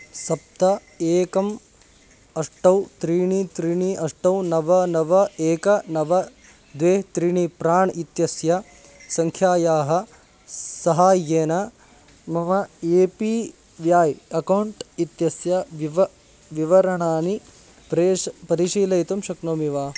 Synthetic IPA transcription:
sɐp̚t̪ɐ | eːkɐm | ɐʂʈɐwt̪ɾiːɳit̪ɾiɳiʔɐʂʈɐwnɐʋɐnɐʋɐeːkɐnɐʋɐ | d̪ʋeːɦt̪ɾiɳipɾaːɳit̪jɐsjɐ | sɐŋkʰjaːjaːɦɐ | sɐɦaːjeːnɐ | mɐʋɐeːpi | ʋjaːjɐkɐwɳʈit̪jɐsjɐʋiʋɐ | ʋiʋɐɾɐɳaːni | pɾepɐɾiʃiːlɐjt̪ɐmʃɐknɐmiʋaː

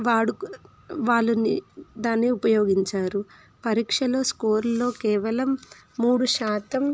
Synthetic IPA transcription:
ʋaːɽu | ʋaːɭːunḭd̪aːnːiupɐjo̞ːɡiɲt͡ʃaːɾu | pɐɾiːkʂɐlo̞ːskoːɾlo̞ːkɛːʋɐlɐmː | uːɽuʃaːt̪ɐm

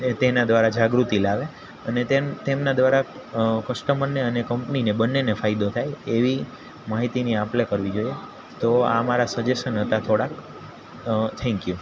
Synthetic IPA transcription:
t̪enad̪ʋaɾad͡ʒaɡɾut̪ilaʋe | ənet̪et̪emnad̪ʋaɾakəʃʈəməɾnːeənekəmpninebənːenefajd̪ot̪ʰajeʋi | maɦit̪iniaplekəɾʋid͡ʒoie | t̪oa̰maɾasəd͡ʒeʃənɦət̪at̪ʰoɽak | t̪ʰɛ̃ŋkju

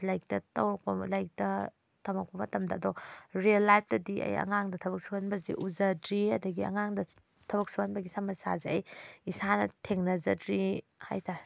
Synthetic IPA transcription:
lajk̚tɐtɐwak̚pɐlajk̚tɐ | tɐmak̚pɐmɐtɐmdɐːdɔɾielːajp̚ʰtɐdiʔɐ̰jɐ̰ŋaŋdɐtʰɐbɐk̚suhanbɐzḭʔuzɐdɾiɐdɐɡiɐ̰ŋaŋdɐ | tʰɐβɐk̚suhanbɐɡisamɐsa̰zeɐjisanɐtʰeŋnɐzɐdɾi | ha̰jtʰa

